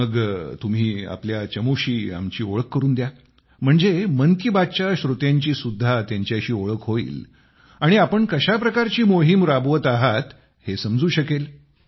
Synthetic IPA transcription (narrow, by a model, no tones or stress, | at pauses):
əɡt̪um̤iːa̰pljat͡ɕəmuɕiːa̰mt͡ɕiːoɭəkːəɾuːnd̪ja | m̤əɳd͡zemənk̪ibad̪̚t͡ɕaɕɾut̪jaɲt͡ɕiːsud̪ʱːat̪jaɲt͡ɕjaɕiːoɭəkɦoḭːl | aɽ̃iapəɳkəɕapɾəkaɾt͡ɕiːmoɦimɾabʋət̪aɦat̪ | hesəmd͡zuːɕəkel